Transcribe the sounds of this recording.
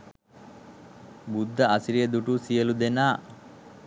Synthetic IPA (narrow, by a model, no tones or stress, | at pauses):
bud̪ːəʔasiɾijəd̪uʈusijəlud̪enaː